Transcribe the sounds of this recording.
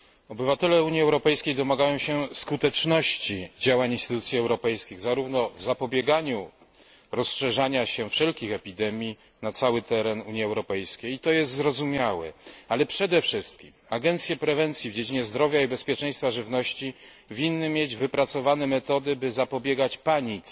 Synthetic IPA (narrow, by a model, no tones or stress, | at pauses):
ɔbɘvat̪ɛlɛuɲjiɛwɾɔpɛjskʲejd̪ɔmaɡajɔ̃ɕɛskut̪ɛt͡ʂnɔɕt͡ɕid͡ʑawaɲinst̪ɘt̪ut̪sʲjiɛwɾɔpɛjskʲiɣzaɾuvnɔvzapɔbʲjɛɡaɲu | ɾɔsʂɛʐaɲaɕɛfʂɛlkʲixɛpʲid̪ɛmʲji | nat̪sawɘt̪ɛɾɛnuɲjiɛwɾɔpɛjskʲejit̪ɔjɛst̪zɾɔzumʲjawɛ̰alɛpʂɛd̪ɛfʂɘst̪̚kʲimaɡɛnt̪sʲjɛpɾɛvɛnt̪sʲjivd͡ʑed͡ʑiɲɛzd̪ɾɔvʲjaibɛspʲjɛt͡ʂɛ̃j̃st̪faʐɘvnɔɕt͡ɕi | vʲinːɘmʲjed͡ʑvɘpɾat̪sɔvanɛmɛt̪ɔd̪ɘbɘzapɔbʲjeɡat͡ɕpaɲit̪s